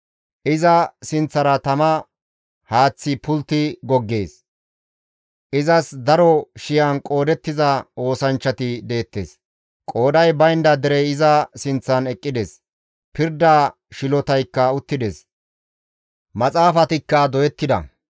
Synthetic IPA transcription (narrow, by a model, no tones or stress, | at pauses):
ʔɪzɐsɪnt͡sːɐɾɐt̪ɐmɐ | haːt͡sːɪpʊlt̪ːɪɡɔɡːe̞ːs | ʔɪzɐsd̪ɐɾɔʃɪjɐnkʼo̞ːd̪ɛt̪ːɪzɐo̞ːsɐnt͡ʃːɐt̪ɪd̪e̞ːt̪ːḛːs | kʼo̞ːd̪ɐjbɐjnd̪ɐd̪ɛɾɛjɪzɐsɪnt͡sːɐnɛkʼːɪd̪eːs | pɪɾd̪aː | ʃɪlɔt̪ɐjkːɐʊt̪ːɪd̪eːs | mɐt͡sʼaːfɐt̪ɪkːɐd̪ɔjɛt̪ːɪd̪ɐ̰